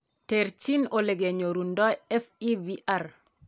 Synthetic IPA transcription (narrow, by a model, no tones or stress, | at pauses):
teɾt͡ʃinoleɡeɲoɾundɔjɛfiviʔaɾ